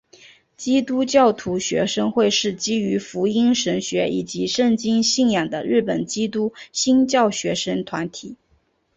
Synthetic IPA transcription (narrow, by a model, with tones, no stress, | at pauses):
t͡ɕi˥t̪u˥t͡ɕjɑ˥˩ʊt̪ʰu˧˥ɕɥɛ̰˧˥ʂɤ˥ŋxwe˥˧ɪʂɻ̩˥˩t͡ɕi˥y˧˥fu˧˥i˥nʂə˧˥nɕɥɛ˧˥i˨˩t͡ɕi˧˥ʂə˥˩ŋt͡ɕi˥ŋɕi˥˩ŋjɑ˨˩ŋd̪ə̰˦ɻɻ̩˥˩pə˨˩nt͡ɕi˥t̪u˥ɕi˥nt͡ɕjɑ˥˩ʊɕɥɛ˧˥ʂə˥ŋt̪ʰwa˧˥nt̪ʰi˨˩˦